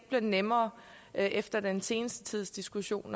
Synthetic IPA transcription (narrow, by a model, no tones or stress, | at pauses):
b̥liɐnemɐː | ʔʔefd̥ɐd̥ense̝ːnəsd̥ət͡sʰið̞̰ˠsd̥isɡ̥uɕo̝̰ːn